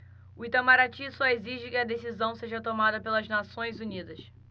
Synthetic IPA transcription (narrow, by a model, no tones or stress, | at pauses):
ʊit̪amaɾat͡ʃisɔeziʒɪkɪɐd̪esizɐ̃w̃seʒɐt̪omad̪ɐpelɐznasõj̃zunid̪ɐs